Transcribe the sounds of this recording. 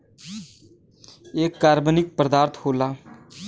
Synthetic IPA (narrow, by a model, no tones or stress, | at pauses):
eːkːaːɾbənɪk̚pɾəd̪aːɾt̪ʰhoːlaː